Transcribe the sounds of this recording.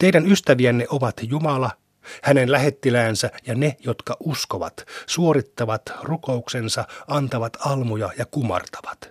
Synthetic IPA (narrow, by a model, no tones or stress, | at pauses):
t̪eidænyst̪æʋiænːeʔoʋɑt̪jumɑlɑ | hænenlæɦe̞t̪ːilæːnsæjɑnejot̪kɑʔuskoʋɑ̰t̪suoɾit̪ːɑʋɑt̪rukouksensɑɑnt̪ɑʋɑt̪ʰɑlmujɑjɑkumɑ̰rt̪ɑ̥ʋɑ̥t̪